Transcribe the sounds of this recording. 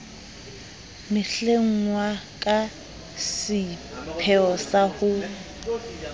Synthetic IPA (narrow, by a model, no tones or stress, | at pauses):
mɪɬeŋ̩ŋwakʼa | sɪpʰɛɔsahʊ